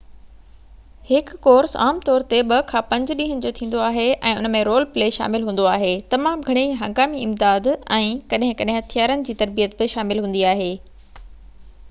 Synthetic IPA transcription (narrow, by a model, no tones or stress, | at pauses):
hɪkːoːɾsa̰ːmt̪ɔːɾt̪eɓɐkʰãːpɐ̃ɲd͡ʑɗĩːɦənɪ̃̆d͡ʑot̪ʰĩːnd̪oaːɦeʔɛ̃ːʊnə̆mẽɾoːlpleːʃa̰ːmɪlɦũːn̆d̪oaːɦeːt̪ɐmaːmɡʱɐɽ̃iɦɐ̃ŋɡaːmiɪmd̪aːd̪ɛ̃ːkɐɗɦɪ̃kɐɗɦɪ̃ɦɐt̪ʰjaːɾənɪ̆d͡ʑiːt̪ɐɾbijət̪̚bɪʃaːmɪlɦũːnd̪iaːɦeː